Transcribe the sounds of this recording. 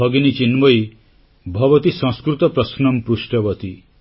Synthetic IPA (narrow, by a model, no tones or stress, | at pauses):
ɔɡinit͡ʃinbɔj | bʱɔbɔt̪isɔ̃skɾut̪ɔpɾɔsnɔmpɾusʈɔbɔt̪i